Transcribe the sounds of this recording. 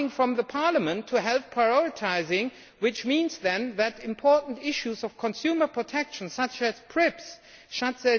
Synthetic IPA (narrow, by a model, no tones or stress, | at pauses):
ɪ̃ŋfɹʌ̃mðəpʰɑɹləmə̃ntʰɨɦɛlˠθpʰɹ̥aɪɔɹɨtʰaɪzɪ̃ŋ | wɪt͡ʃmĩnzðɛ̃nðɨɾɪ̃mpʰɔɹʔn̩tɪʃuzʌv̥kʰə̃nsjʉmə˞pʰɹ̥ɨtʰɛkʃn̩sʌt͡ʃɨz̥pʰɹ̥ɪps | ʃʌtsɛ